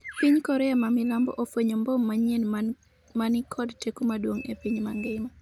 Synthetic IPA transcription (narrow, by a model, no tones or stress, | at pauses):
piɲkɔɾɛamamɪlambɔ̰ʔofwoɲɔmbɔmːaɲen | manɪkʰɔdtekumadwoŋepiɲmaŋɡɪma